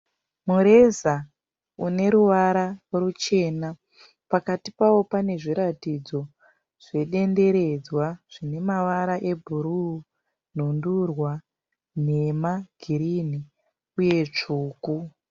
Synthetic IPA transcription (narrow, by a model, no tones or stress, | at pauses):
muɾe̞za | une̞ɾuʋaɾarut͡ʃe̞ːna | pakatipawo̞pane̞ʐiɾatid͡zo̞ | ʐ̥e̞ɗe̞nde̞ɾe̞d͡zwaʐ̥ine̞maʋaɾaʔe̞bʱuɾuu | n̤undurwa | ne̞maɡ̥ʱiɾini | uje̞t͡ʂuːku